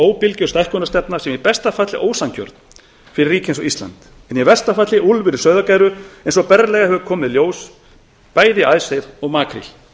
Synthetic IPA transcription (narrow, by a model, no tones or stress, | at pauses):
oːwpɪlcʏɾst̪ɛhkɔnast̪ɛpnḁsɛmipɛst̪afat̪lɪʔoːwsancœ̰ɾt̪n | fɪɾɪriːcɪẽnsɔɣist̪la̰nt̪ | ɛnjɛvɛ̥st̪afat̪lɪʔulvɪɾɪ̥sœɥðakaːjɾʏejnsɔpɛɾlɛɣahɛvʏkʰɔːmɪðljoːws | paːjðɪaðsejɾɔɣmaːkʰɾḭl̥